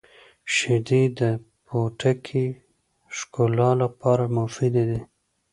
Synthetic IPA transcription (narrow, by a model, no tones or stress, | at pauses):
ʃɪd̪id̪ə | pʰoʈʰakʰi | ʃkolɑlapɑɾamʊfid̪ed̪i